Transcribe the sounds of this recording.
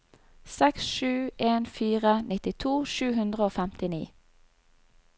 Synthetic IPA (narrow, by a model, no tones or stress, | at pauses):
sɛksʃʉːʔeːnfiːʁənɪt̪ɪt̪ʰuːʃʉːɦʉnd̪ʁəoːfɛmt̪ɪnḭː